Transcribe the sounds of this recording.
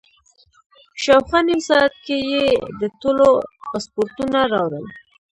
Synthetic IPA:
ʃawxaniwsɑat̪̚kejed̪ət̪olopɑspoɾt̪unaɾɑwɾəl

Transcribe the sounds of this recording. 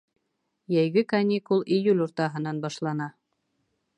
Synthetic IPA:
jæjɡɘkanʲikulˠijulʲuɾt̪ɑɦɤ̆nɑnbɑʃlˠɑnɑ

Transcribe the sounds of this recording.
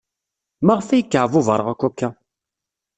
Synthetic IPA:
maʁfæjəkːəʕvuvəɾˤəʁækʷːukːa

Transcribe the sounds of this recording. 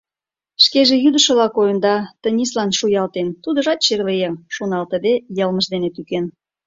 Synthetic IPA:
ʃkeʒejyd̪əʃə̆βlɑkojə̆nd̪ɑt̪ənʲislɑnʃujɑlt̪ent̪ud̪ə̆ʒɑt̪ɕerlejemʃonɑlt̪əd̪ejəlməʃd̪enet̪yken

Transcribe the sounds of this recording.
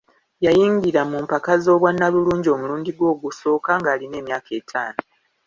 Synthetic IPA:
jajiːŋɡiɾamumpakazo̞ːβwanːaβuluːɲɟio̞ːmuluːnɲdiɡwo̞ːɡuso̞ːkaŋɡaːline̞ːmjaːkʰe̞ːtʰa̰ːno

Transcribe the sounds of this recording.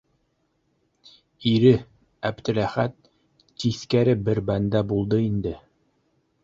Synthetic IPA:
iɾɘ | æbd̪ɘ̆ɾæχæt̪̚ː | iθkæɾɘbɘɾbænd̪æbulˠd̪ɤind̪ɘ

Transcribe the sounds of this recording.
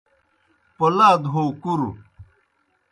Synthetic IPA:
polaːd̪ɦoːkuɾu

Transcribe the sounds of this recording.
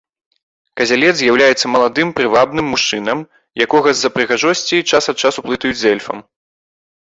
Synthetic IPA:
kɐzʲalʲɛd̪zʲjawlʲajɛt̪sːɐmɐlˠad̪ɨmpɾɨvabnɨmːuʂt͡ʂɨnɐm | jakɔɣɐzːɐpɾɨɣaʐɔsʲt͡sʲijt͡ʂasɐt̪̚t͡ʂasuplˠɨt̪ɐjud͡zʲzʲɛlʲfɐ̰m

